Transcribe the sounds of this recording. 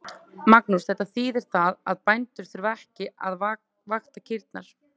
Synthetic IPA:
maknusθɛht̪ːaθiːðɪɾ̥θaðaðpajnt̪ʏɾ̥θʏɾvɛhcɪʔað | vaxt̪acʰɪɾt̪̚naɾ̥

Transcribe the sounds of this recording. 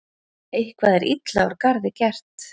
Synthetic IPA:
ejhkvaːðɛɾʔḭt̪laɾkaɾðɪcɛr̥t̪

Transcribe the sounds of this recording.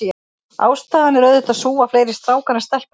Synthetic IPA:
a̰ːwst̪aːðanɪɾœːðʏht̪aðsuːaflejɾɪst̪ɾaːwkʰɛɾnast̪ɛl̥p

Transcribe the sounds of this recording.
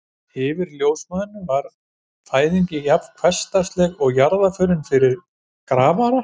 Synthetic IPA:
hɪːvɪɾljoːwsmaðʏnːʏvaɾ | faːjðiɲcɪjapv̥kʰvɛst̪ast̪lɛɣɔɣjaɾðafœɾɪnfɪɾɪɾ | kɾaːvaɾa

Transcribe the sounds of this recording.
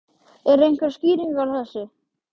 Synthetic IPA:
ɛɾejŋkvɛɾ̥sciːɾiŋkawθɛsːʏ

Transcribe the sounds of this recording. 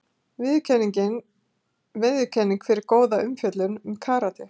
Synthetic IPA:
vɪðʏcʰɛnːiɲcɪn | vɪðʏcʰɛnːiŋkfɪɾɪɾkoːwðaʏmfjœt̪lʏnʏmkʰaːɾat̪ɪ

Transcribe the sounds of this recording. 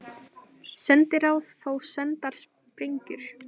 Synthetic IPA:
sɛnt̪ɪɾawðθoːwsɛnt̪aɾ̥s | pɾeɲcʏɾ̥

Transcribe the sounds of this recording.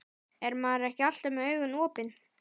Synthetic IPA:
ɛɾmaːðɾɛhcɪal̥t̪ɛmœːɥɣʏnɔːpɪn

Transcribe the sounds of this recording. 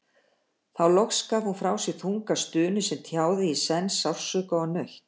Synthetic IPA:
θawlɔxskaːvhunfɾaːwsɛɣθuŋkast̪ʏːnʏsɛmt̪ʰjaːwðɪisɛnsawr̥sœːkaɔnœɥçt̪

